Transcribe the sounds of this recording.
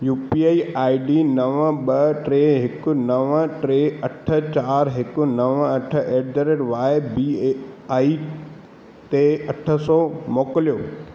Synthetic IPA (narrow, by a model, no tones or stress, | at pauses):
juːpiaːiaːiɖinɐʋə̃ɓɐʈɾeːɦɪkʊnɐʋə̃ʈɾeːɐʈʰət͡ɕaːɾɦɪkʊnɐʋə̃ɐʈʰəeːɖdəɾeʈʋaːjbiaːi | t̪eɐʈʰə̆sɔːmoːkəljoː